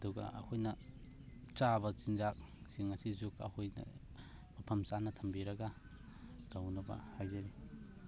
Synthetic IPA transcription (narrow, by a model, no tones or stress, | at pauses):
ɐduɡɐ̰ʔːhʰojnɐ | t͡ʃaβɐt͡ʃinzak̚siŋɐsizukɐ̰hojnɐ̰ | mɐpʰɐmsanɐtʰɐmbiɾɐɡɐ | d̥awnɐbɐ̰hajzaɾi